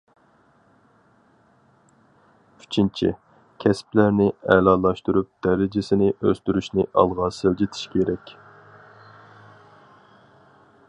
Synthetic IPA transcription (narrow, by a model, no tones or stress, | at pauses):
y̥t͡ʃʰint͡ʃʰḭ | kʲʰɛsplæɾnɪɛlɑːlˠɑʃt̪uɾup̚d̪̥ɛɾɪd͡ʒɪsɪnɪʔøst̪yɾyʃnɪʔɑ̰lˠʁɑːsɨld͡ʒit̪ʰɪ̥ʃkʲʰeɾɛkʲ